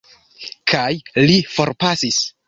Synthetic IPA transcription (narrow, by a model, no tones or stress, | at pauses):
kʰajlifo̞ɾpasis